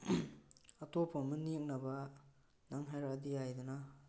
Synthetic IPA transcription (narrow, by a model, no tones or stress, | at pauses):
ɐtopʰamunːek̚nɐba | naŋɦajɾadijajd̪una